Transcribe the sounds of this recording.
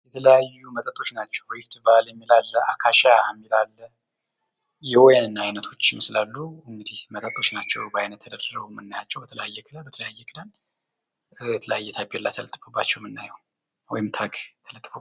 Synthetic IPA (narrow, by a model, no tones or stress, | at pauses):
jɛt̪ʰələjajːumət̪ʼət̪ʼːo̞t͡ʃnat͡ʃːɛwjɪft̪ʰɨbaljɛmːilalːəakʰaʃaamːilalːə | jɛwojanɨnːaajnət̪ʰo̞t͡ʃːmɨslalːuɨŋɡɨd̪ihmət̪ʼət̪ʼːo̞t͡ʃnat͡ʃːɛwbəajnət̪ʰːəd̪ərrəɡumɨnːajat͡ʃːɛwbət̪ʰələjajːɛkʰʼɨdabət̪ʰələjajːɛkʰʼɨd̪an | jɛt̪ʰələjajːɛt̪ʰabelːa̰t̪ʰələt̪ʼɨfəbːat͡ʃːɛwmɨnːa̰jəw | wɔjɪmt̪ʰaɡt̪ʰələt̪ʼːfəb